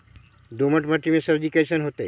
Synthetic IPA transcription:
d̪oməʈmaʈɾimesəɾd͡ʑikesənɦot̪e

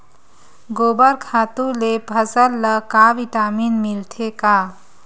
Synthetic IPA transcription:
ɡoːbəɾkʰaːt̪ũlepəsəlːəkaʋiʈaːmiːnmilʈʰeka

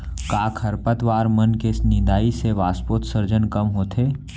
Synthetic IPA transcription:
kaːkʰəɾpət̪ʋaːɾmənkesnɪ̃nd̪aːiseʋaːspoːt̪səɾd͡ʒənkəmɦoːt̪ʰeː

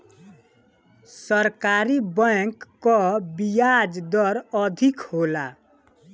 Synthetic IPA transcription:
səɾkaɾibəkːɔbijad͡ʒd̪ɔɾəd̪ʱikhola

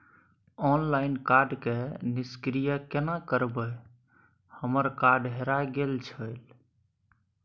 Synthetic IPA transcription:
ɔnlaɪnkaɾɖkeniskɾijəkenakəɾbəj | həməɾkaɾɖɦeɾaɡelt͡ʃʰəl

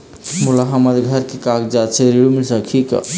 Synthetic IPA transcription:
mulaɦəməd̪ɡʱəɾkekakd͡ʒat͡ʃʰeɾiɾumilsəkʰik

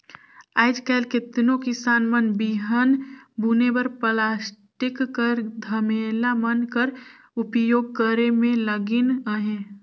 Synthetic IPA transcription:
aːɪd͡ʒkɛːlkɪt̪nõkɪsaːnmənbiɦənbunebəɾplaːsʈɪkːəɾd̪ʱəmeːlamənkəɾ | ʊpjoːɡ̚kəɾemẽləɡɪnəɦẽ

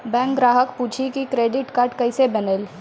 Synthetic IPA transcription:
bɛ̃ːŋkɡɾaːɦəkpuːt͡ʃʰikikɾeːɖɪʈkaːɾʈkɐɪsebənel

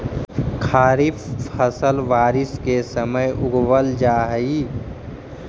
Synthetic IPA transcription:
kʰaːɾifʰəsəlʋaːɾɪskesəməjʔʊɡwəld͡ʒaːɦəi

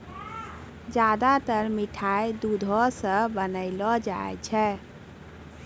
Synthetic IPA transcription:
d͡ʒad̪at̪əɾmiʈʰajd̪ud̪ʱɔsə̃bənəɪlɔd͡ʒa̰ɛ̰t͡ʃʰɛ

